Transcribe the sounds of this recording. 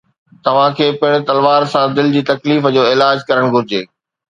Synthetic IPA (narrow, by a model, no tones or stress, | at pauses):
t̪ɐʋ̤ãkʰeːpɪɦɪɽ̃̆t̪ɐlʋaːɾsãd̪ɪld͡ʑiːt̪ɐkliːfəd͡ʑoːɪlaːd͡ʑkɐɾəɽ̃ɡʱʊɾɪd͡ʑeː